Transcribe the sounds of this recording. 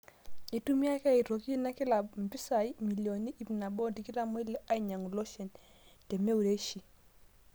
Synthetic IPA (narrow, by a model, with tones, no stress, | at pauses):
i˨tu˦mi˦a˦ka˦˨i˨ɾo˨ki˦na˦kɪ˦la˨bm̩˨pi˦sa˨i˦mi˨ljo˨ni˦ʔi˨m˨na˨bɔ˦di˨ki˦ɾa˦mo˦i˦lɛ˦ʔa˦i˦ɲa˨ŋu˨lo˦ʃɛ˨n | te˨me˦u˨ɾe˦ʃi˨